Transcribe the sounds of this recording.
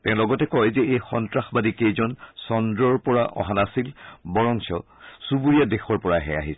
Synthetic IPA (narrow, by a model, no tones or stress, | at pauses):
tɛ̃ʊ̃lɔɡɔtɛkɔjzɛejxɔntɹaxbadikejzɔnsɔndɹɔɹpɔɹaʔɔ̰ɦanasilbɔɹɔnsɔ | subuɹiadexɔɹpɔɹaɦɛ̰a̰ɦis